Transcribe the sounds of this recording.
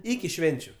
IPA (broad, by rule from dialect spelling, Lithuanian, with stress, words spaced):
ˈɪkʲɪ ˈʃʲʋʲɛnʲt͡ʃʲʊ